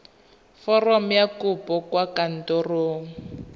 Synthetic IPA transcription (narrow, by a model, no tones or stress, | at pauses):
fɔrɔm̩jakupɔkwakan̩toroːŋ̩